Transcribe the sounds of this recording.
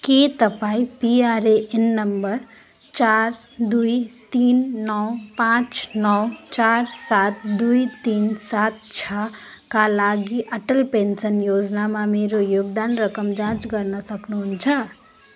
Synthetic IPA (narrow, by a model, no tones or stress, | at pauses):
ket̪ʌpaĩpiaɾeʔenːʌmbʌɾ | t͡ʃaɾ | d̪ujt̪inːʌwpãt͡ʃnʌwt͡ʃaɾsat̪̚d̪ujt̪insat̪̚t͡ʃʰʌkalaɡiʔʌʈəlpensənjod͡ʒnamameɾojoɡ̚d̪anɾʌkʌmd͡ʒãt͡ʃɡʌɾnʌsʌknuɦunt͡sʰʌ